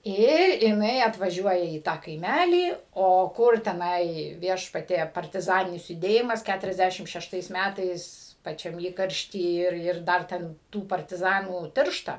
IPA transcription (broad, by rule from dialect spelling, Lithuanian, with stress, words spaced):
ˈɪr jɪˈnɐɪ ɐtʋɐˈʒʲuɔjɛ iː ˈtɑː kɐɪˈmʲælʲiː ˈoː ˈkʊr tʲɛˈnɐɪ ˈʋʲiɛʃpɐtʲiɛ pɐrʲtʲɪˈzɑːnʲɪnʲɪs jʊˈdʲeːjɪmɐs ˈkʲætʊrʲɛzʲˌdʲæʃʲɪm ʃʲɛʃˈtɐɪs ˈmʲætɐɪs pɐˈt͡ʃʲɛm ˈiːkɐrʲʃʲtʲiː ˈɪr ˈɪr ˈdɐr tʲɛn ˈtuː pɐrʲtʲɪˈzɑːnuː ˈtʲɪrʃtɐ